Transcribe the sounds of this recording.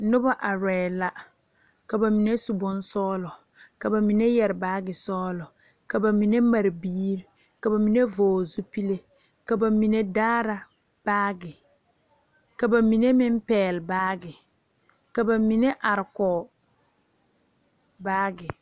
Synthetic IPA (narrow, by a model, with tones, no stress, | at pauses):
nʊ˦ba˦ʔa˨ɾɛː˨la˦ | ka˨ba˨mi˨ne˦su˨bʊ˦nsɔː˦lɔ˨ | ka˨ba˨mi˨ne˦jɛ˨ɾɪ˨baː˦ɡɪ˨sɔː˦lɔ˨ | ka˨ba˨mi˨ne˦ma˨ɾbiː˦ɾ | ka˨ba˨mi˨ne˦voː˨zu˦pi˦le˦ | ka˨ba˨mi˨ne˦daː˦ɾa˨ | b̥aː˦ɡɪ˨ | ka˨ba˨mi˨ne˦mɪ˦m˦pɛː˨lbaː˦ɡɪ˨ | ka˨ba˨mi˨ne˦ʔa˨ɾɪ˨kɔ˨ | baː˦ɡɪ˨